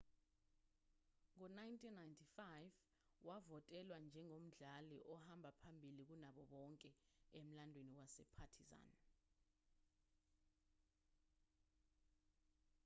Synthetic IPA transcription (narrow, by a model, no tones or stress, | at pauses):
ŋɔnajntʰʼinːajntʰifajv | wavɔtʼɛlwand͡ʒʱɛŋom̩ɮaliʔɔhambʱapʰambʱilik̬unaɓɔɓɔŋkʼɛem̩landʱweniwasɛ̰pʰatʰiza̰n